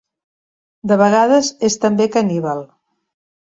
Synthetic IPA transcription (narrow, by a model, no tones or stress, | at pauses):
d̪əβəɣ̞aðəzest̪əmbekəniβalˠ